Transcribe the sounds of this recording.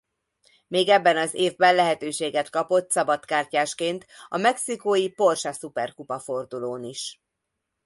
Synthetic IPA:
meːɡɛbːɛnɒzeːvbɛnlɛɦɛt̪øːʃeːɡɛt̪kɒpo̞t̪sɒbɒt̪kaːrcaːʃkeːnt̪ɒmɛksikoːjipo̞rʃɒsupɛrkupɒfo̞rd̪uloːniʃ

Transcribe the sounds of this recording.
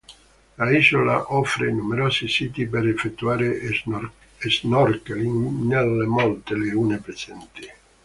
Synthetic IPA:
laizola̰ʔɔfɾenumeɾɔːsisiːt̪ipeɾefːet̪ːuaːɾe | eznɔrkeliŋnelemɔlt̪eleuːnepɾesɛnt̪i

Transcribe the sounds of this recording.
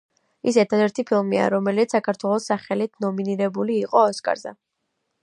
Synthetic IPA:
is̬ɛɾt̪ʰad̪ɛɾt̪ʰipʰilˠmia̰ɾɔmɛlit̪ssakʰaɾt̪ʰwɛlˠɔsaχɛlit̪ʰnɔminiɾɛbuliːqʼɔːskʼa̰ɾzɛ̰

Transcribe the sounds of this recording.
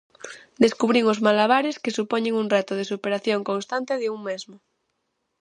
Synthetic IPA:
d̪eskuβɾiŋozmalaβ̞aɾeskesupoɲeŋunrɛt̪oð̞esupeɾaθjoŋkõnst̪ant̪eðeuŋmezmo

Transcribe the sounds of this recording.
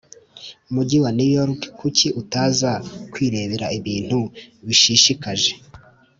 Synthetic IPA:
muɟiwanijoɾkkuciʔutaːzakwiːɾe̞ːβeɾaiβiːn̥huβiʃiʃikaʒe̞

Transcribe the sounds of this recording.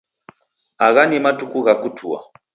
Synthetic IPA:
aɣanimatukuɣakutʰua̰

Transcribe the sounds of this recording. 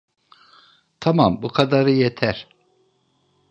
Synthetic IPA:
t̪ʰamambukʰad̪aɾɯjet̪ʰæɾ̥

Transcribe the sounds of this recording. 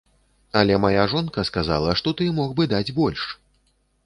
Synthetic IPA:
ɐlʲɛmajaʐɔnkɐskaza̰lˠɐʂt̪ɔt̪ɨmɔxbɨd̪ad͡zʲbɔlʲʂ

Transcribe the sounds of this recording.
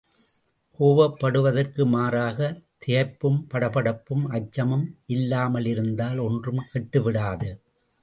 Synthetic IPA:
hoːʋɐpːɐɽɯʋɐðɐrkɯmaːɾaːɣɐt̪ɪjɐɪpːɯmpɐɽɐpɐɽɐpːɯmɐt͡ʃːɐmɯmʔɪlːaːmɐlɪɾɯnd̪aːlɔndrɯmkɛʈːɯʋɪɽaːðɯ

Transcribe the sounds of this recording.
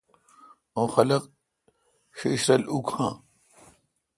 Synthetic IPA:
õːxɐlɐq | ɕeːɕɾɐlukʰhãː

